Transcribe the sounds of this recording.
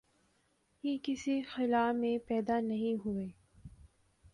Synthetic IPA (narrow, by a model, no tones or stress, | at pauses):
jekɪsixɪlaːmẽpɛːd̪anɐɦĩɦueː